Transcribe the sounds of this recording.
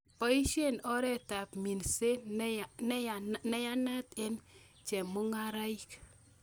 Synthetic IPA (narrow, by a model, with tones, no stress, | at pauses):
pɔ˦i˦ʃe˦nɔ˦ɾɛ˦ta˨pmi˨nse˦ | nɛ˦ja˦na˦te˦n | t͡ʃɛ˨mʊ˦ŋa˦ɾa˦i˦k